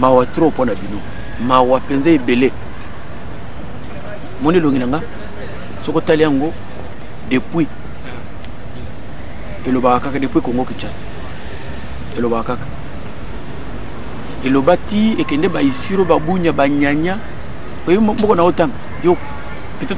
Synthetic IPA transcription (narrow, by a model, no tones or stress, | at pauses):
mawatɾoponabino | mawapenzeebele | mɔneloŋɡinaŋɡa | sokotaleaŋɡo | depwi | elobawakakadepwikoŋɡokit͡ʃasi̥ | elobaakakḁ | elobatiekɛndɛbaisiɾobabuɲabaɲaɲa | ojimbokonaotaŋa | jo | pito